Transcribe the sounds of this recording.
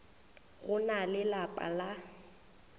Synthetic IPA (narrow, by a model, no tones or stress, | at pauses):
ɣʊnalɪlapʼa̰la